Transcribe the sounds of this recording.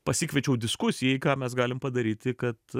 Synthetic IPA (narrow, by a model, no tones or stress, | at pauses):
pɐsʲiːkʲʋʲɛt͡ʃʲɛʊd̪ʲɪskʊsʲɪjɛɪkɑːmʲɛsɡɑːlʲɪmpɐd̪ɐɾʲiːt̪ʲɪkɐt̪